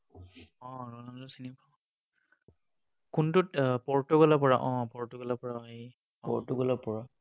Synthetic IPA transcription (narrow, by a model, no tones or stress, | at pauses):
ɔ̃ɹɔnalɔsinipʰaw | kuntʊtpɔɹtuɡɔlapɔɹaʔɔ̃pɔɹtuɡɔlapɔɹaɔi | ɔpɔ̰ɹtuɡɔlapɔɹa